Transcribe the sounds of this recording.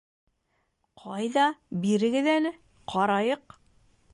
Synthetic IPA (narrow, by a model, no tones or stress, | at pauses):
qʰɑjðɑbiɾɘ̆ɡɘðænɘ | qʰɑɾɑjɤq